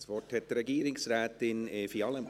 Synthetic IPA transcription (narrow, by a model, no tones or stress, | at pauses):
svɔrthɛtdɾɛɡiːɾɪŋsrɛːt̪ɪnɛfiɑləm